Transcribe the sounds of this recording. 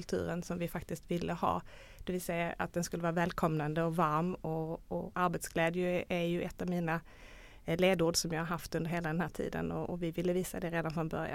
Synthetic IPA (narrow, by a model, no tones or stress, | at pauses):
lt̪ʰʉ̟̰ːɾənsɔmvɪfakt̪ɪst̪vɪlːʔəhɑ̰ː | d̪̥ɛvɪlsɛjːaa̰t̪̚d̪ɛnskɵləvɑːɾavɛːlkʰɔmnand̪əɔvaɾmɔɔaɾbɛt̪sɡlɛːd̪jəæjɵʔɛt̪ːɑvmiːna | leːd̪uːɖʂɔmjɑːhaɾɦaft̪ɵndəɾɦeːlad̪ɛnhæːʈʰḭːd̪ə̰nɔɔvɪvɪlːəviːsa̰d̪ɛɾeːd̪anfɾɔnbœɾj̰